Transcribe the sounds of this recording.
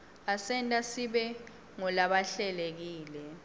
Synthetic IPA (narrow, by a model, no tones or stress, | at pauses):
asɛntʼasiɓɛ | ŋɔlaɓaɬɛlek̬iːlɛ